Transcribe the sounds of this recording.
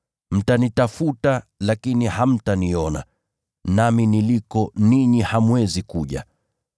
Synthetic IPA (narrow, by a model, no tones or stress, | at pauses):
m̩tanitafutalakiniham̩taniɔna̰ | naminilikɔniɲihamwɛzikuʄa̰